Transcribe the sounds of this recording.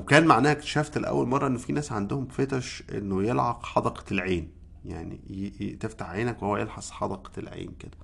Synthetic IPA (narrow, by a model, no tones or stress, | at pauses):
wekæːnmaʕnæːhæk̪ʃæft̪leʔæ̰wːælmɑrˤːɑʔenːofinæːsʕand̪ohomfet̪æʃʔḛnːojelʕɑqħɑd̪ɑqlʕeːn | ja̰ʕnḭjeʔt̪eft̪aħʕeːnækwehowːæjelħɑsˤħɑd̪ɑqelʕḛːnked̥̪æ